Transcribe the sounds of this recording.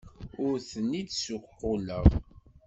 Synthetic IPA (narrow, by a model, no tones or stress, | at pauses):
ʊɾθənːid̪sʊqqːʊləʁ